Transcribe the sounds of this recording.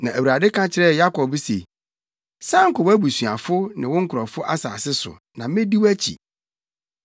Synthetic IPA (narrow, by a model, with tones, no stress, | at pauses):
nã˨æ˨ɥɾa˨dɪ˦kʰã˦t͡ɕʰɪ˦ɾɛ˦˨ja˦kɔ˨bse˨ | sã˦ŋ̩˨kɔ˨wæ˦bu˨sɥa˨fʊ˦nɪ̃˨wʊ̃˦ŋ̩˦kʰɾɔ˨fʊ˦ʔa˦sa̰ː˨sɪ˦sʊ̰˨ | nã˨mɪ̃˦di˦wæ˦t͡ɕʰḭ˨